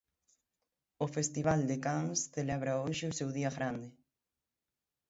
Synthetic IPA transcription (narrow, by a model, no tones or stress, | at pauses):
ʊfest̪iβald̪ekaŋsθelɛβɾaoʃɪʊsewðiɐɣɾand̪ɪ